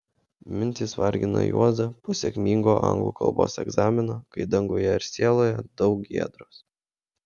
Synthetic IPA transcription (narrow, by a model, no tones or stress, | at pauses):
mʲɪnʲt̪ʲiːsʋɐɾʲɡʲɪno̰ːjṵɔzɐposʲɛkʲmʲiːŋɡoːʔɐ̰ŋɡlˠṵːkʰɐ̰lˠbo̰ːsɛ̰ɡzɑːmʲɪnokɐɪd̪ɐŋɡojɛɪɾʲsʲeːlˠoːjɛd̪ɒʊk̚ɡʲḭɛd̪ɾoːs